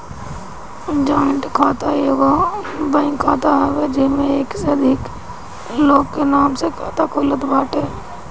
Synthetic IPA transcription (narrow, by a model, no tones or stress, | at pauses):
d͡ʒaːəɳʈkʰaːt̪ajoːɡabə̃ɪ̃ŋkʰaːt̪aɦɛʋed͡ʒɪsmẽeːkseəd̪ʱɪk | loːɡkenaːmsekʰaːt̪akʰoːlət̪baːʈɦɛː